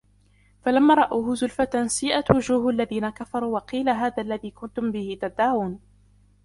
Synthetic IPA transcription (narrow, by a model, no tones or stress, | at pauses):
falamːaːɾˤɑʔaːhʊzʊlfat̪ansɪjʔat̪wʊd͡ʒuːhʔalːaðiːnakafɑɾˤuːwɑqiːlaɦaːðaːlːaðiːkʊnt̪ʊmbɪhɪt̪ad̪ːaːwuːn